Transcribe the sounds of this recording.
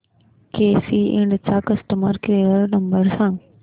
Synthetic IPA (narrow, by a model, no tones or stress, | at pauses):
keːsiɪ̃ɳɖt͡saːkɐsʈəməɾkɾeːəɾnɐ̃mbəɾsãː